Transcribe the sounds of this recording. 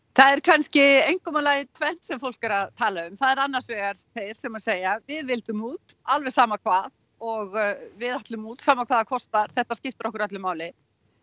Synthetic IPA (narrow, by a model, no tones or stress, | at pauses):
θaðɛɾ̥kʰanscɪejŋkɔmalaːjɪt̪ʰvɛn̥t̪sɛmfowl̥kaɾaðt̪ʰaːlaʏmθaðɛɾanːaɾ̥svɛːɣaɾ̥t̪ʰejɾ̥sɛmaseːjavɪðvɪlt̪ʏmuːt̪alvɛ̥saːmakʰvaːð | ɔɣvɪðat̪lʏmuːt̪saːmakʰvaːðakʰɔst̪aɾ̥θɛht̪ascɪft̪ɾɔhkʏɾœt̪lɪmaːwlɪ